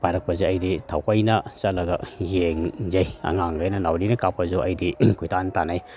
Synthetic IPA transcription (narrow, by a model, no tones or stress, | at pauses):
paɾɐk̚pɐzeɐjditʰawkajnɐsɐlɐɡɐjeŋzajɐ̰ŋaŋɡajnɐnawɾinɐkapɐzuʔɐjdikʰujtʰantanaj